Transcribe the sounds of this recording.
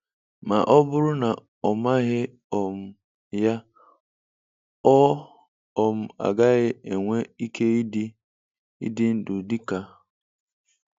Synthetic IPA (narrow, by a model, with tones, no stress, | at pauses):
ma˨ʔɔ˦bʊ˦ɾʊ˦na˨ | ɔ˨ma˦ɦɪ˦ | ɔ˨m̩˨ | ja˦ | ɔ˦ | ɔ˨m̩˨a̰˨ɡa˦ɣɪ˦e˨ŋʷe˦i˦kʰe˦i˦d | ḭ˦dɪ˦n̩˦dʊ˨di˦ka˨